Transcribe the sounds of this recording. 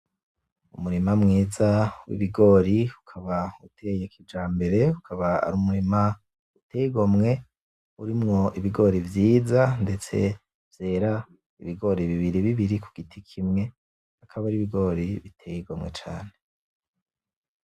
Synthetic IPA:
umuɾimamŋiːzawḭβiɡo̞ɾiukʰaβautʰejekʰibd͡ʒaːmbe̞ɾe̞ukʰaβaa̰ɾuːmuɾima | utʰejiɡo̞mŋe̞ | uɾimŋo̞iβiɡo̞ɾivjiːzande̞t͡se̞̰ | vje̞ːɾa | ḭβiɡo̞ɾiβiβiɾiβiβiɾikʰuɡ̥itʰikʰimŋe̞ | akʰaβaɾiβiɡo̞ɾiβitʰejiɡomŋe̞t͡ʃa̰ːne

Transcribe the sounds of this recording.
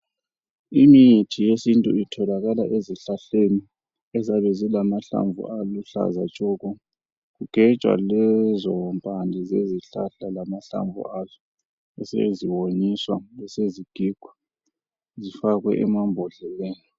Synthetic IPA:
imitʰijesintʼṵitʰɔlaɣalaʔeziɬaɬeni | ɛzaβɛzilamaɬa̰ɱvṵʔaluɬa̰zat͡ʃʼɔːkɔ | kuɡ̥ʱɛt͡ʃʼwa̰lɛzɔmpʼandʱizeziɬaɬalamaɬa̰ɱvṵazɔ | ɛsḛziwoniswaɛseziɡ̥ʱiɡ̥ʱɔ | zifaɣwɛ̰ʔɛmambʱɔɮɛlɛːnɔ

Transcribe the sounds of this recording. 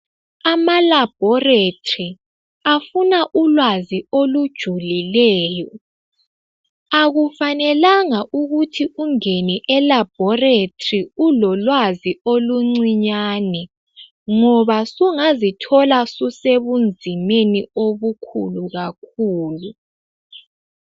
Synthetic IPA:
amalab̥ʱɔretʰʼri | afunaʔulwaziolud̥ʒ̥ʱulilɛːjɔ | aɣufanɛlaŋaʔuɣutʰiuŋeniʔɛlab̥̚ʱɔretʰʼriulɔlwazioluŋ͡ǀiɲaːnɛ | ŋɔβasuŋazitʰɔlasuseβund͡zʱimenioβukʰṵluɣak̚ʰuːlu

